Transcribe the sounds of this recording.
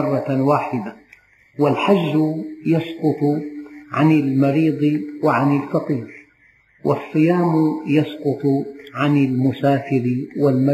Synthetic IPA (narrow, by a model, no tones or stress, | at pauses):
ɑrˤːɑwaːħɪd̪a | wɪlħad͡ʒːʊjɑsqʊt̪ˤʕanɪlmɑɾiːd̪ˤwɪʕanɪlfɑqiːɾ | wʔɪ̰sˤːɨjaːmjɑsqʊt̪ˤʕanɪlmʊsaːfɪɾɪwɪlm